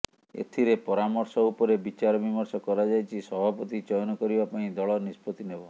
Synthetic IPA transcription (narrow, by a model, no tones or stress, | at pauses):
ḛt̪ʰiɾepɔɾamɔɾsɔupɔɾebit͡ʃaɾɔbimɔɾsɔkɔɾad͡ʒajt͡ʃʰisɔbʱapɔt̪it͡ʃɔjɔnɔkɔɾibapaĩd̪ɔɭɔnispɔt̪inebɔ